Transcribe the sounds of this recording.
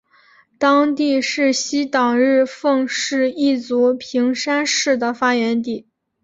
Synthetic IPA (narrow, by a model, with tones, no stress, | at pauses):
t̪ɑ˥ŋt̪i˥˧ʂɻ̩˥˩ɕi˥t̪ɑ˨˩ŋɻɻ̩˥˧fɤ˥˧ŋʂɻ̩˥˧i˥˩t͡su˧˥pʰi˧˥ŋʂa˥nʂɻ̩˥˩d̪ə˩fa˥ɥɛ˧˥nt̪i˨˩˦